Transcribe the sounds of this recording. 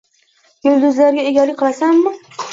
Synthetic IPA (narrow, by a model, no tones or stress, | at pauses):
jʊld̪ʊzlaɾɡʲaeɡʲalɪkʲqʰɨlˠasamːɪ